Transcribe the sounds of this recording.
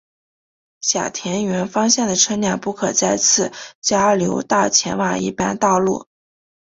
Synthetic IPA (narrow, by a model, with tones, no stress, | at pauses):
ɕja̰˨˩t̪ʰjɛ˧˥nɥɛ˧˥nfɑ˥ŋɕjɛ˥˩nd̪ə˩ʈ͡ʂʰɤ˥nja˥˩pu˥˩kʰɤ˨˩t͡sa˥˧ɪt͡sʰɹ̩˥˩˦t͡ɕja˥ljo˧˥ʊt̪a˥˩t͡ɕʰjɛ̰˧˥nwa˥˩ḭ˥˩pa˥nt̪ɑ˥˧ʊlṵ˥˩